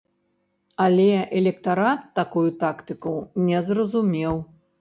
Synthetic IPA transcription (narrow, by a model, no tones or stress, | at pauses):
alʲɛʔɛlʲɛkt̪aɾat̪ːakujut̪akt̪ɨkuwnʲɛzrɐzumʲɛw